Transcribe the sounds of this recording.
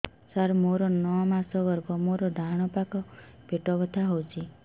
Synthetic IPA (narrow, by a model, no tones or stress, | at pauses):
saɾmoɾɔnɔmasɔbɔɾɡɔmoɾɔɖʱaɽ̃ɔpakɔ | peʈɔbɔt̪ʰaɦowt͡ʃʰi